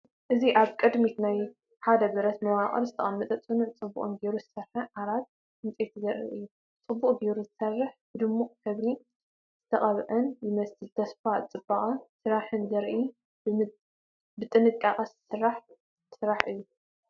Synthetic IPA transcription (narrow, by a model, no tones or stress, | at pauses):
ʔɨziʔaβkʼɨd̪mit̪naj | ħad̪ɐbɨɾɐt̪mɐwaqʼɐ̰ɾzɨt̪ʰɐ̰ʔʼɐmːɨt̪ʼɐt͡sʼɨnuʕt͡sʼɨbṵχʼɨnɡe̞ɾuzɨsɐɾħɨʔaɾat̪̚ | ɨnt͡sʼet̪ʰzɐɾʔḭʔɨjːu | t͡sʼɨbːuχʼɡe̞ɾuzɨsɐrːɨħb̥ɨd̪ɨmːuqʼk̪ʰɐβli | z̥ɨt̪ʰɐχʼɐβʔɐnjɪmɐsɨlt̪ʰɐsfat͡sʼɨbːɐχʼɐsɨɾaħɨnzɐɾʔi | bɨt̪ʼɨnɨkʼaqʼɐssɨɾːaħ | sɨɾaħʔɨjːu